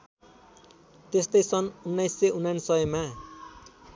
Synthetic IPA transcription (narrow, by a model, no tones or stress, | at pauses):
t̪est̪ʌjt͡sʰʌnunːajsːeunansʌʌma